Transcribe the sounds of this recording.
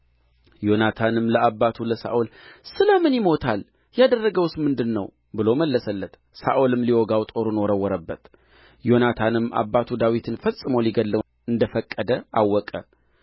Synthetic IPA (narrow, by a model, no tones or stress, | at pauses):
jo̞nat̪ʰanɨmləabːat̪ʰuləsa̰ʔolsɨləmɨnjɪmo̞t̪ʰal | jad̪ərːəɡəwsmɨnd̪ɨnːəw | bɨloməlːəsəlːət̪ | sa̰ʔolɨmliwɔɡawt̪ʼo̞ɾunoɾəwːɔɾəbːət̪ | jo̞nat̪ʰanɨma̰bːat̪ʰud̪awit̪ʰɨnfəsʼɨməwliɡəlːə | ɨnd̪əfəkʼːəd̪əawːɔkʼə